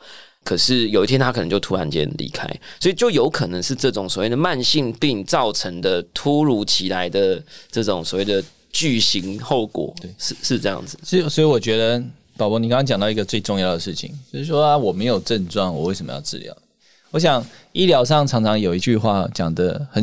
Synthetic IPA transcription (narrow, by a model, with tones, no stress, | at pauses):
kʰə˨˩ʂɻ̩˥˩jo˨˩ʊi˥t̪ʰjɛ˥t̪ʰa˥kʰə˨˩nə˧˦˥t͡ɕo˥˩ʊt̪ʰu˧˥la˨˦nt͡ɕjɛ̰˦nlḭ˧˥kʰa̰˥ɪswɔ˧˥i˨t͡ɕjo˥˩ʊjo˧˥ʊkʰɤ˨˩nə˧˦ŋʂɻ̩˥˧ʈ͡ʂɤ˥˩ʈ͡ʂʊ˨˩ŋswɔ˨˩we˥˩ɪd̪ə˨ma˥˧nɕi˥˧ŋpi˥˧ŋt͡sɑ˥˩ʊʈ͡ʂʰə˧˦ŋd̪ə˧t̪ʰu˦˥ɻu˧˥t͡ɕʰi˧˥la˧˥ɪd̪ə˧ʈ͡ʂɤ˥˩ʈ͡ʂʊ˨˩˦ŋswɔ˨˩we˥˩ɪd̪ə˩ | t͡ɕy˥˩ɕi˧˦ŋxo˥˩ʊkwɔ̰˨˩˦t̪e˥˩ʂ̩˥˧ʂɻ̩˥˧ʈ͡ʂɤ˥˧jɑ̰˥˩ŋd͡z̩˨˩si˨swɔ˧˥i˧˥wɔ˨˩t͡ɕɥɛ˧˥d̪ə˧ | pʊlwɔ˦˥ni˨ka˥ŋʰɑ˥ŋt͡ɕɑ˨ŋt̪ɑ˥˩˨i˦ɡə˧t͡swe˥˧ɪʈ͡ʂʊ˥˧ŋjɑ˥˩ʊd̪ə˩ʂɻ̩˥˩t͡ɕʰḭ˨˦ŋt͡ɕjo˥˧ʊʂɻ̩˥˩ʂwɔ˥a˧wɔ˨˩me˧˥ɪjo˨˩ʊʈ͡ʂə˥˧nʈ͡ʂwa˥˩nwɔ˨˩we˥˩sʂə˨˩mə̰˦jɑ̰˥˧ʊʈ͡ʂɻ̩̰˥˧ljɑ̰˨˩˦ʊ | wɔ˧˥ɕ̬jɑ˨˩ŋi˥˩ljɑ˧˥ʊʂ̬ɑ˥˩ŋʈ͡ʂʰɑ˧˥ŋʈ͡ʂʰɑ˧˥ŋjo˨˩ʊi˧˥t͡ɕy˥˧xwa˥˩t͡ɕjɑ˨˩ŋd̪ə˦xə˨˩